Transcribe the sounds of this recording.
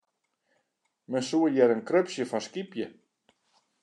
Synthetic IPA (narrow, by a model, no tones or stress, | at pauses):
mɛnsuəjɛɾɛnkɾøpsjəfanskipjə